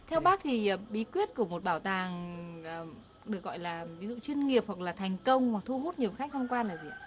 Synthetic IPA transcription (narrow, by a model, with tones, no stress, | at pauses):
t̪ʰɛ˧wɓaː˦˥k̚t̪ʰi˨˩˨ɓi˨˦kwi˦˥ət̚ku˧˩əmo˨˩t̚ɓaː˧˩wt̪aː˨˩ŋː˨˩ | ɗɨ˨˩ək̚ɣɔ̰˧˨jlaː˨˩vi˨˦zṵ˧˨t͡ɕwi˧ənŋi˨˩əp̚hwa˨˩k̚laː˨˩t̪ʰɛ˨˩jŋ̟kə˧wŋ͡mhwa˨˩t̪ʰu˧hu˦˥t̚ɲi˨˩əwxa˦˥k̟̚tʰə˧wŋ͡mkwaː˧laː˨˩zi˨˩